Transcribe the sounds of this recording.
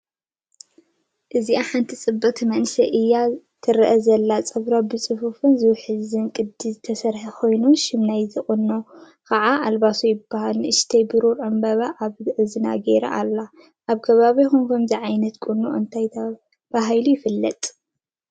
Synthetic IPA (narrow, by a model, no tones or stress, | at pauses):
ʔɨziaħant̪ʰit͡sʼɨbːɐt̪ʰmɐnsɐʔɨjːa | t̪ʰɨɾʔɐzɐlːat͡sʼɨβɾabɨsʼɨfufunzɨwħɨzɨnkʼɨd̪izɨt̪ʰɐsɐɾħɐkʰo̞jnuʃɪmnajzɨχʼɨnːo | kʰɐʕaʔalβasujɪbːahalnʔɨʃt̪ʰɐjbɨɾuɾʕɨmbɐβaʔaβʕɨzɨna̰ɡeɾɐ̰ʔalːa | ʔaβkʰɐβaβixunkʰɐmziʕajnɐt̪kʼunuʔɨ̰nt̪ʰajt̪ʰɐ | b̥aɦajlujɪfɨlːɐt̪ʼ